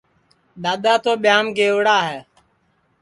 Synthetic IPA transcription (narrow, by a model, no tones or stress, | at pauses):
ɗ̪aːd̪aːt̪oːɓɪjaːmɡeːʋɽaːɦɛː